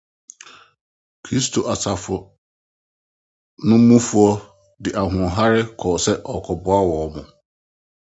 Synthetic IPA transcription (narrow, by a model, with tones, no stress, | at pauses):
kʰɾi˦s̬tʰo˨ʔa˨sʰa˨fʊ˨ | nʊ̃˦m̩˦mũ˦fu˨ɔ˦ | dɪ˨ʔa˨ɦʊ̃˨ɦa˦ɾɪ˦kʰɔː˨sɛ˦ʔɔ˨kʰɔ˨bʊ˦a˦wɔː˨mʊ̃˨